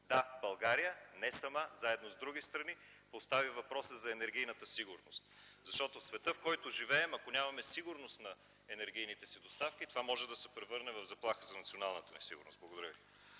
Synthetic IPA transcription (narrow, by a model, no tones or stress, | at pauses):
d̪abɐlˠɡaɾijənɛsɐmazaɛd̪nozd̪ɾuɡist̪ɾɐni | post̪avivɐpɾɔsəzɐɛnɛɾɡʲijnət̪əsiɡʊɾnost̪zɐʃt̪ɔt̪ofsvɛt̪ɤfkɔjt̪oʒivɛːmɐkonʲamɐmɛsiɡʊɾnost̪nɐ | ɛnɛɾɡ̟ʲijnit̪ɛsid̪ost̪afkit̪ovamɔʒɛd̪ɐsɛpɾɛvɤɾnɛvɐvzɐplˠaxəzɐnɐt̪sionalˠnət̪ənɛsḭɡʊ̰ɾno̰st̪̚blˠɐɡod̪ɐɾəvi